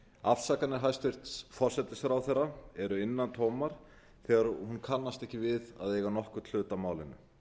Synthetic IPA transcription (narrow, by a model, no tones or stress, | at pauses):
afsakanɪɾ̥ɦajst̪ɪr̥t̪sfɔr̥sɛt̪ɪsɛɾawθɛrːaɛɾʏɪnːant̪ʰoːwmaɾ̥ | θɛːɣaɾhunkʰanːast̪ɛhcɪvɪða̰ðejɣanɔhkʏt̪ʰl̥ʏːt̪amaːwlɪnːʏ̰